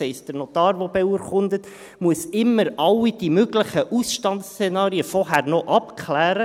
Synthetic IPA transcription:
ɛɪstd̥əɾnot̪ɑːɾʋobeuəɾχʊndət | muəsɪmːəɾɑlːid̥imøɡlɪχəʔusʃtɑntst͡senɑːɾiəfɔrɦærnoʔɑpkʰχlæːɾə

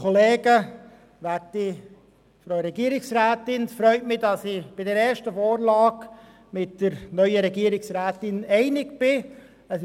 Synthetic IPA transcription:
oleːɡə | ʋæti | fɾoʊɾɛɡiəɾɪksraːtɪnfɾœʏtmɪdɑsɪb̥ɪdɛɾɛːʃtəfoːɾlɑːk | mɪtːəɾnœʏəɾɛɡiəɾɪksræːtɪnɛɪnɪkb̥ɪ | əs

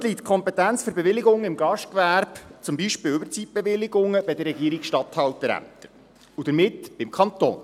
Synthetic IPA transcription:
liːtkʰɔmpɛt̪ænt͡sføɾbeʋɪlɪɡʊŋɪmɡɑʃtkʋæɾb̥t͡sʊmbiʃpɪːlʏbəɾt͡sit̚b̥eʋɪlɪɡʊŋəb̥ɛdəɾɛɡiːɾikʃtɑt̪hɑlt̪əɾæ̰mpt̪əɾ | ud̥̪əɾmɪtb̥ɪmkʰχɑnt̪o̰ːn

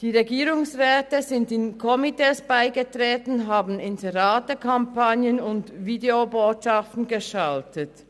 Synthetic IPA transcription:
d̥iːʁeɡiːʁʊŋsʁɛːtəzɪndɪnkʰɔmiteːsb̥aɪɡətʁ̥eːtn̩ɦaːbn̩ɪnzeʁaːtəkʰampanjənʊntviːdeoboːtʃaftn̩ɡəʃaltət

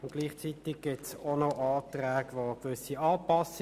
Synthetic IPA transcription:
ʊnɡ̥liːχt͡sit̪iɡ̚ɡ̥ɪtsonoʔɑːt̪ʁɛːɡ̥ʋoɡʋʏsiɑːpɑs

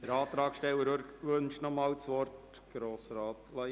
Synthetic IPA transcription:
d̥əɾɑːt̪ɾɑːkʃtɛwəɾøɾʋɵnʃnɔmɑːwt͡sʋɔrt | ɡ̥ɾoːsəɾɑːtlɑ

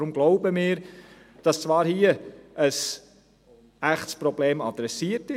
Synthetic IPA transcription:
ɾʊmɡ̥lɔʊbəmɪːɾ | d̥ɑst͡svɑːɾhiəʔəs | æχtspɾɔbleːmɑd̥ɾɛsiətɪ

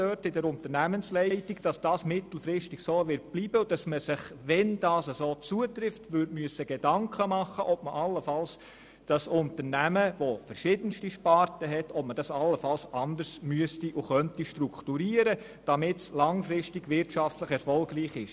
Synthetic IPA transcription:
œːtɪdɛɾʊntəɾnæmənslɛɪtiɡd̥ɑsd̥ɑːsmɪt̪l̩fɾɪstiɡ̥soːʋɪɾt̚b̥liːbəʊd̥ɑsməsɪχʋɛnd̥ɑːsəsoːt͡suətɾɪftʋøɾtmyəsəɡ̥edɑŋkχəmɑχːəʔɔpməʔɑlːəfɑls | d̥ɑsʊntəɾnæməʋofəɾʃɪdənʃtiʃpɑːɾtəɦɛtʰɔpməd̥ɑsɑlːəfɑlsɑnd̪əɾsmyəstiʔʊχœntiʃtɾukχtuɾiːəɾə | d̥ɑmɪtslɑŋfɾɪstiɡʋɪɾtʃɑftləχɛɾfɔlɡriːχɪʃ

